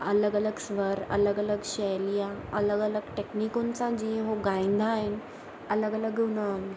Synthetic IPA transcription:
ələɡələɡsʋəɾə̰ləɡələɡɕəjlijaələɡələɡʈeknikõnt͡sad͡ʑĩɦoɡãĩnd̪ʱaːɦen | ələɡələɡunəm

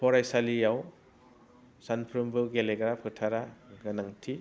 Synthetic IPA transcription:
pʰɔɾajsalijaw | sanpʰɾɯmbɯlɡeleɡaɾapʰɯtʰaɾaɡanaŋtʰi

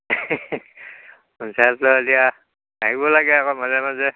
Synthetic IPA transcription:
unsatlɔdija | aɦibɔlaɡɛakɔmazɛmazɛ

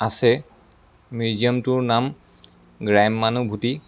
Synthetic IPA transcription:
asɛ | miziɔmtʊɹnam | ɡɹajmːanubʱuti

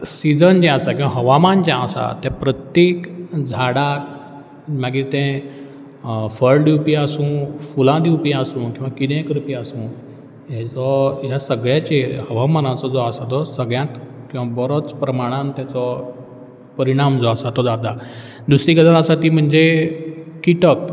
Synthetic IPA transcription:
sid͡zənd͡ʑɛ̃əsakĩw̃ʋ̃ãɦəʋamand͡ʑɛ̃əsa̰t̪jɛ̃pɾət̪jekd͡zʱaɽak | maɡit̪ɛ̃ | fəɾɖjupiəsũfulãd̪iupjãəsũːkĩw̃ʋakid̪ẽkɾupiasũː | ɦjɛ̃t͡sɔɦjasəɡɭjat͡ɕehəʋamanat͡sɔd͡zɔasat̪ɔsəɡɭjãt̪kĩʋabɔɾɔt͡spɾəmaɽ̃ant̪jat͡sɔ | pəɾiɽ̃amd͡zɔasat̪ɔd͡zad̪a | d̪usɾikəd̪aəsat̪iːm̤əɳd͡ze | kiʈək

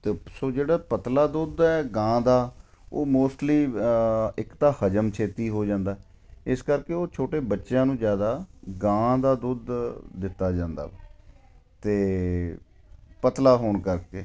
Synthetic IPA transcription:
t̪eːsoːd͡ʒeːɽaːpət̪laːd̪ʊd̪ɛːɡãːd̪aː | o̰ːmoːsʈliː | ɪkt̪aːhəd͡ʒəmt͡ʃʰeːt̪iːɦoːd͡ʒãːnd̪aː | ɪskəɾkeːoːt͡ʃʰoːʈeːbətːʃjãːnũːzjaːd̪aːɡãːd̪aːd̪ʊd̪ːɪt̪ːaːd͡ʒãːnd̪a̰ː | t̪eː | pət̪laːɦoːɳkəɾkeː

